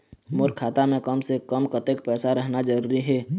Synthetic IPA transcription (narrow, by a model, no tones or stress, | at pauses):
mʊɾkʰaːt̪amẽkəmsekəmkət̪ekpɛːsaɾəɦnad͡ʒəɾuːɾiɦɛː